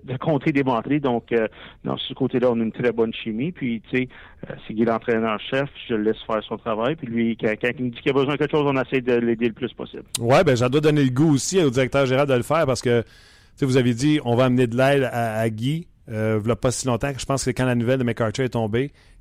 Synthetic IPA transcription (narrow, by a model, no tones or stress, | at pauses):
d̪əkʰɔ̃ːt̪ed̪emãt̪ʁid̪ɔ̃kənɑ̰̃ssəkot̪elʌɔ̃naynt̪ʁɛbɔnʃimipʰɥit͡se | ə̰siɡʲilɑ̃t̪ʁɛnœːʁʃɛfʒəlɛsfɛːʁsɔ̃t̪ʁavajpilɥikãkɑ̃kimud͡zikʲijabəzwɛ̃əkɛkəʃowzɔ̃nasɛjd̪əleːd̪eləplʏspɔ̰sɪ̰blwɛbɛ̃ʒad̪wad̪ɔneləɡuosiod͡zziʁɛk̚t̪œːʁʒeneʁald̪ələfɛːʁpaʁsə̥kə | t͡sevuzavjed͡ziɔ̃vɑːmned̪lɛɪd̪aːɡʲi | øvlɔpːʌsilɔ̃t̪ãʒə̥pɑ̃ːskskãlanuvɛld̪əmɛkɑʁt̪øɛt̪ɔ̃ːbe